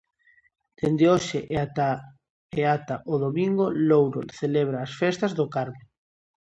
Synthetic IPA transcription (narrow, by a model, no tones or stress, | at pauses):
d̪̥end̪eoʃeʔa | eat̪aʔoðomiŋɡolowɾo̰θeleβ̞ɾaːsfest̪azðʊkaɾme